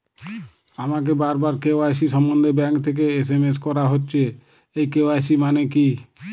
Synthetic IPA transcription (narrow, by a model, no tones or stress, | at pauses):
amak̬ebaɾbaɾkeoajsiʃɔmbɔnd̪ebɛŋkt̪ʰek̬ees̬emeskɔɾaɦotːɕʰe | ejkewajsimaneki